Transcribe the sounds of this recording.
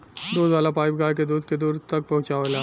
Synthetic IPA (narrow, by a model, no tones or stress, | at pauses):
d̪oːzaːlapaːɪp̚ɡaːjk̬ed̪uːd̪̚ked̪uːɾt̪ɐk̚pɐɦʊ̃t͡ʃaʋelaː